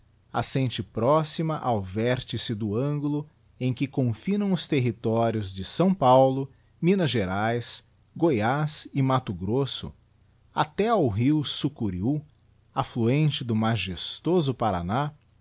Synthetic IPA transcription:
a̰sẽnt͡ʃɪpɾɔsimɐʔawvɛɾt͡ʃɪsɪd̪ʊɐ̃ŋɡulʊ | ẽj̃kɪkõfinɐ̃w̃ʊst̪eɦit̪ɔɾjʊzd͡ʒɪsɐ̃w̃pawlʊ | mĩnɐʒeɾajs | ɡojasɪmat̪ʊɡɾosʊ̰ | a̰t̪ɛawɦiwsukuɾiu | afluẽnt͡ʃɪd̪ʊmaʒest̪ozʊpaɾa̰na

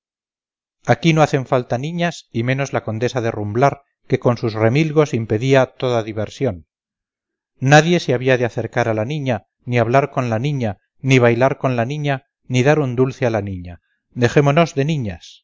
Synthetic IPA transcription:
akinoaθe̞ɱfalt̪anĩɲasimẽ̞no̞zlako̞nd̪e̞saðe̞rumblaɾ | ke̞ko̞nsusre̞milɣo̞simpe̞ðiat̪o̞ðaðiβe̞ɾsjo̞n | aðje̞seaβiaðeaθe̞ɾkaɾalanĩɲa | niaβlaɾko̞nlanĩɲa | niβ̞ajlaɾko̞nlanĩɲa | niðaɾund̪ulθealanĩɲa | d̪e̞xe̞mono̞zðe̞nĩɲas

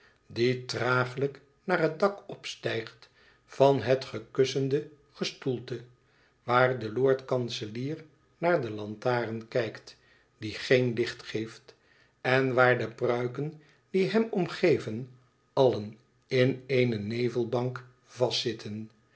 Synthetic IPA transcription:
ditraːχələk | naːrɦət̚dɑkɔpstɛjχt | fɑnɦətχəkʏsəndə | χəstulˠtə | ʋaːɹdəloːɹtkɑnsəliːr | naːɹdəlɑntaːrənkɛjkt | d̥iχejnlɪχtχejft | ɛnʋaːɹdəprœɥkən | d̥iɦɛmɔmχejvən | ɑlən | ɪnejnənejvəlˠbɑŋk | v̥ɑstɪtʰən

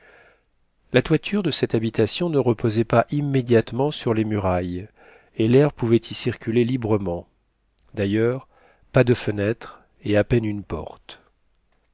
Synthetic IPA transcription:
lat̪wat̪ʰyʁd̪əsɛt̪abit̪asjɔ̃nəʁəpozɛpaʔimːed̪jat̪mɑ̃syʁlemyʁaj | elɛʁpuvɛt̪ʰisiʁkʲylelibʁəmɑ̃ | d̪ajœʁ | pad̪əfənɛt̪χ | eapɛnynpɔ̰ʁt̪

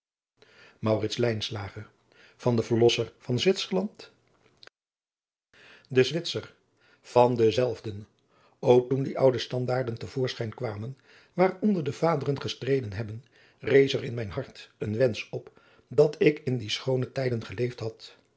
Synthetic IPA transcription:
mɑwrɪtslɛjnslaːχəɹ | v̥ɑndəvəɹlɔsəɹv̥ɑnzʋɪtsəɹlɑnt | dəzʋɪtsər | v̥ɑndəzɛlˠvdən | owk̚tundiʔʌwdəstɑndaːɹdəntəv̥ʊːɹsχɛjnkʋaːmən | ʋaːrɔndəɹdəvaːdərənχəstrejdənɦɛbən | rejsərɪnmɛjnɦɑɹtənʋɛnsɔp | dɑtʰɪkɪndisχownətɛjdənχəlejftɦɑt

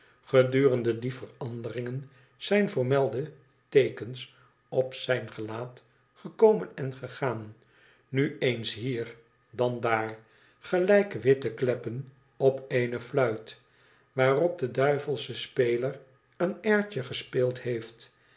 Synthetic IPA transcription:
χədyːrəndədifərɑndərɪŋən | z̥ɛjnvəɹmɛlˠdə | tejkəns | ɔpsɛjnχəlaːt | χəkowmənɛnχəχaːn | nyensɦiːɹ | dɑndaːɹ | χəlɛjkʋɪtəklɛpən | ɔpeɪnəflœɥt | ʋaːrɔb̚dədœɥvəlˠsəspejlər | ənɛɹcəχəspeːlˠtɦejft

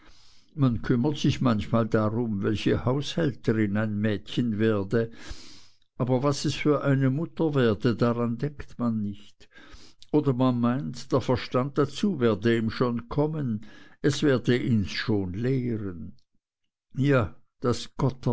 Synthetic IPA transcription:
mankʰʏmɐtsɪçmançmaːldaʁʊmvɛlçəhaʊshɛltʰəʁɪnaɪnmɛːtçənvɛːɐdə | ʔaːbɐvasɛsfyːɐʔaɪnəmʊtɐvɛːɐdədaʁandɛŋktmanːɪçtʔoːdɐmanmaɪntd̥eːɐfɛɐʃtand̚d̥at͡suːvɛːɐdəiːmʃoːnkʰɔmənɛsv̥ɛːɐdəʔinsʃoːnleːʁən | jaː | d̥asɡ̥ɔt

